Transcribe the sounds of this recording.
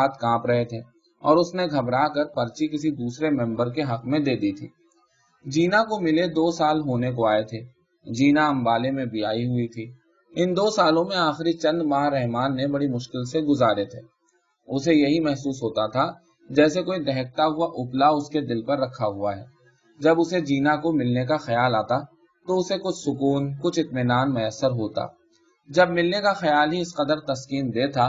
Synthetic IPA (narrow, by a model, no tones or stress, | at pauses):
aːt̪kãːpɾɐɦet̪ʰeː | ɔːɾʊsneɡʱɐbɾaːkəɾpɐɾt͡ʃikɪs̬id̪uːsɾemɛ̃mbəɾkeɦɐqmẽd̪eːd̪it̪ʰḭː | d͡ʒiːnakomɪled̪oːsaːlɦoːnekoaːet̪ʰeː | d͡ʒiːnaɐ̃mbaːlemẽbɪjaːiɦʊit̪ʰiː | ɪnd̪oːsaːlõmẽaːxɾit͡ʃɐ̃nd̪maːɾɛɦmaːnːebɐɽimʊʃkɪlseɡʊzaːɾet̪ʰeː | ʊsejɐɦimɛɦsuːsɦoːt̪at̪ʰa | d͡ʒɛːsekoːid̪ɛɦək̚t̪aɦʊaʔʊplaʊsked̪ɪlpɐɾːɐkʰaɦʊaɦɛ̰ː | d͡ʒɐbʊsed͡ʒiːnakomɪlnekaxɐjaːlaːt̪a | t̪oʊsekʊt͡ʃʰsʊkuːnkʊt͡ʃʰɪt̪mɪnaːnmʊjəsːəɾɦoːt̪a̰ː | d͡ʒɐb̚mɪlnekaxɐjaːlɦiɪsqɐd̪əɾt̪ɐskiːmd̪eːt̪ʰaː